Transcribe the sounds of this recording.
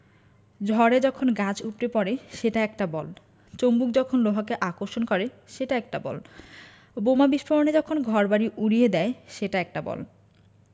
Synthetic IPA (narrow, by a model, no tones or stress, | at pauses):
d͡ʑʱɔɾed͡ʑɔkʰonɡãt͡ɕʰupɾepɔɾeʃeʈaɛk̚ʈabɔl | t͡ɕombuk̚d͡ʑɔkʰonloɦak̬eʔakoɾʃonkɔɾe | ʃeʈaɛk̚ʈabɔ̰l | bomabiʃpʰoɾoned͡ʑɔkʰonɡʱɔɾbaɾiʔuɾijed̪ɛeʃeʈaɛk̚ʈabɔ̰l